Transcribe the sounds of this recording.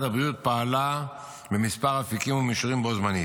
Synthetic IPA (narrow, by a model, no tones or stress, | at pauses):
tabʁijut̪̚paːla | bemispaʁafikimumiʃuʁimbozmani